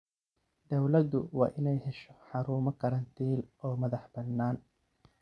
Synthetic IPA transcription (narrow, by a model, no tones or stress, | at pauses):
d̪ɐwlɐd̪ʊwɑːʔɪnɛjhɛʃɔ̥ħɑɾuːmɐkʰɐɾɐnt̪ʰiːlʔɔːmɐðɐħbɐnːaːn